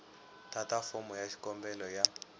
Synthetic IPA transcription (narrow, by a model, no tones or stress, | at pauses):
tʰatafɔmɔjaʃi̥kɔmbɛlɔja